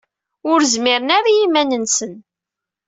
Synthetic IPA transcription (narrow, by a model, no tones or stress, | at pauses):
ʊɾzmɪɾənaɾajimænənsən